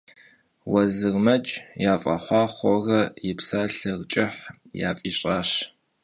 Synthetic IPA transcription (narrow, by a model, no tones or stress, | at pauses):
wɐzɨrmɐt͡ʃʼjaːfʼɐ̰χʷɑːχʷɔrɐjɪpsaːɬɐrt͡ʃʼɪħja̰ːfʼiːɕʼaːɕ